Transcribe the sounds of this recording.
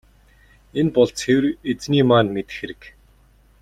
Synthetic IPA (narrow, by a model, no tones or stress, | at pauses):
enpɔɮt͡sxewret͡sniːmaːnmet̪ɘ̥̆xeɾɘ̆k